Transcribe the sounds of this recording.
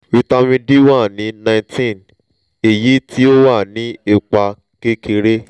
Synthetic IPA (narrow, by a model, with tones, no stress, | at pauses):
i˧ta˧mĩ˧di˦wa˦˨nĩ˨˦nã˧ĩ˧tĩ˦˨n | e˨ji˨˦tʰi˦o˦wa˦˨nĩ˨˦e˧k͡pa˧ | ke˦kʰe˧ɾe˦